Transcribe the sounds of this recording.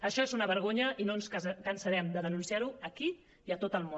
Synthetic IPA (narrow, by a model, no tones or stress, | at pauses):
əʃɔezunəβəɾɣ̞oɲəinonskənsəɾɛmd̪əðənunsiaɾuəki | iət̪ot̪əlˠmo